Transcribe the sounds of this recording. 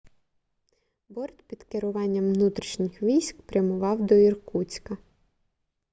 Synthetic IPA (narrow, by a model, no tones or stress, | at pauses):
bɔrt̪ʲpʲid̪keɾʊʋɑnʲːɐmʋnut̪ɾʲiʃnʲɪxʋʲijsʲkpɾʲɐmʊʋɑwd̪ɔirkut͡sʲkɐ